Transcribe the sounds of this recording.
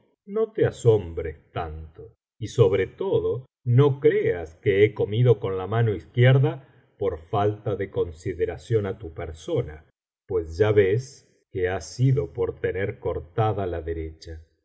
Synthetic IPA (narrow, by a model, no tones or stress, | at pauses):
no̞t̪easo̞mbɾest̪ant̪o | iso̞βɾet̪oðo̞ | nokɾeaskeeko̞miðo̞konlamanoiskjeɾða | poɾfalt̪aðeko̞nsiðeɾasjo̞nat̪upeɾsona | pwe̞sʒaβes | keasiðo̞poɾt̪e̞neɾko̞ɾt̪aðalaðeɾet͡ʃa